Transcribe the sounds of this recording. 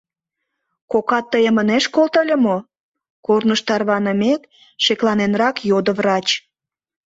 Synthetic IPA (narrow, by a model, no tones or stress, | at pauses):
kokɑt̪ːəjəməneʃkolt̪əlʲə̆mo | kornəʃt̪ɑrβɑnə̆mek̪ | ʃeklɑnenrɑkjod̪ə̆vrɑt͡ɕ